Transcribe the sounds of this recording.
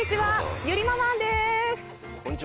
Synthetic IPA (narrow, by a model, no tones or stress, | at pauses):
it͡ɕiβajɯɾʲimamãnd̪es